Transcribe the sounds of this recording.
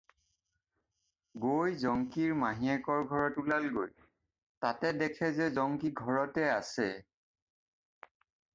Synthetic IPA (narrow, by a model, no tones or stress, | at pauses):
ɡojzɔŋkiɹmaɦiɛkɔɹɡʱɔɹɔtulalɡoj | tatɛdɛkʰɛzɛzɔŋkiɡʱɔɹɔtɛasɛ